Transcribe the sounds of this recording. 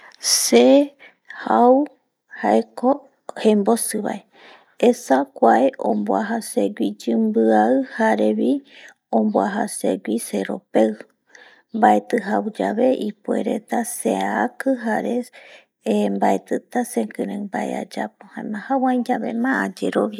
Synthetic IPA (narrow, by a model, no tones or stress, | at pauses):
se | haw | haeko | hembosɨβa̰e | esakʷaeʔõ̰mboaɦaseɡʷid͡ʒɨmbɨaɨhaɾeβi | õmboaɦasḛɡʷiseɾo̞̰pew | mbaet̪ɨɦawd͡ʒaβeʔipuḛɾḛt̪aseaakɨɦaɾe | mbaet̪ɨt̪asekɨ̃ɾɨ̃mbaḛa̰d͡ʒapohãẽmãhawãĩd͡ʒaβḛmãad͡ʒeɾoβja